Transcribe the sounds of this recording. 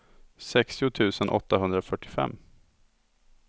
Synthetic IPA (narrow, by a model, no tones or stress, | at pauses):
sɛkst̪ɪʊt̪ʰʉ̟ːsənʔɔ̰t̪ːaɦɵnd̪ɾafœʈːɪfɛ̰mː